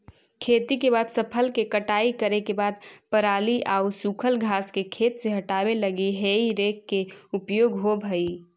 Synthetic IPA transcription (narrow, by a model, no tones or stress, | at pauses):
kʰeːt̪ikebaːd̪səpʰəlkekəʈaːikəɾekebaːd̪pəɾaːliʔaːusukʰəlɡʱaːskekʰeːt̪seɦəʈaːbeləɡiɦeiɾeːkːeʊpjoːɡɦobʱəi